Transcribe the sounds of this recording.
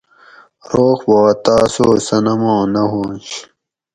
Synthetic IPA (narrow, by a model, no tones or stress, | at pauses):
ɾoːxboːɐt̪aːsoːsɐnɐmõːnɐɦoːnɕ